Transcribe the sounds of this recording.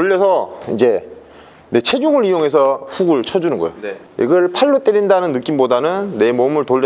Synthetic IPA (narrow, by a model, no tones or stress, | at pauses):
toʎːʌsʰʌind͡ʑe̞ | ne̞t͡ɕʰe̞d͡ʑuŋɯɭijoŋɦe̞sʰʌɸuɡɯɭt͡ɕʰʌd͡ʑunɯnɡʌ̰jo | ʔḭɡʌɭpʰaɭːot͈eɾindanɯnːɯk͈imbodanɯnːe̞momɯɭtoɭːʌ